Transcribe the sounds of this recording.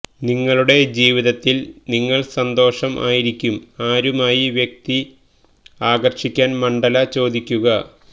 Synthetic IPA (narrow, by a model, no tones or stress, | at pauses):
niŋːɐɭuɽe̞d͡ʑiːʋiðɐt̪ːilniŋːɐɭsɐnd̪o̞ːʂɐmʔa̰ːjiɾikʲːumaːɾumaːjiʋjek̚t̪i | aːɡɐrʂikʲːaːnmɐɳɖɐlɐt͡ɕo̞ːd̪ikʲːuɣɐ